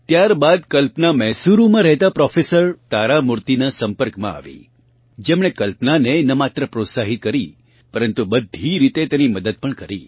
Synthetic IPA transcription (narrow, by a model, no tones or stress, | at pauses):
t̪jaɾbad̪̚kəlpnamɛɦsuɾũmãɾɛɦt̪apɾɔfesəɾt̪aɾamuɾt̪inasəmpəɾkmã̰a̰ʋḭ | d͡ʒemɳ̃ekəlpnanenəmat̪ɾəpɾot̪saɦit̪̚kəɾi | pəɾənt̪ubəd̪ʱiɾit̪et̪eniməd̪əd̪̚pəɳkəɾi